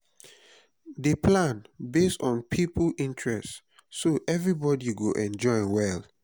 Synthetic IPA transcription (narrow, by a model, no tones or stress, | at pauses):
dəpʰlãnbestɔ̃npʰiplĩntʰɹɛstː | oʔɛvɹibɔdiɡoʔɛ̃nd͡ʒɔ̃ɪnwɛl